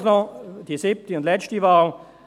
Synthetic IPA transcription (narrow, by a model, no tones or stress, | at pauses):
snɔd̥iːsɪp̚təʊndlɛt͡stəʋaːl